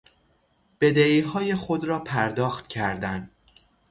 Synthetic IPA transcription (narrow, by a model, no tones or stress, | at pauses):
b̥e̞d̪eiːɦɒːje̞xod̪ɾɒːpʰæɾd̪ɒːxt̪cʰæɾd̪æn